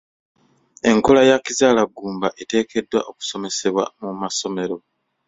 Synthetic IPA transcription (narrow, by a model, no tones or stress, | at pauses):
e̞ŋko̞lajacizaːlaɡːuːmbaʔe̞te̞ːkʰe̞dːwa̰ʔo̞ku̥so̞me̞se̞βwa̰mumaso̞me̞ɾo̞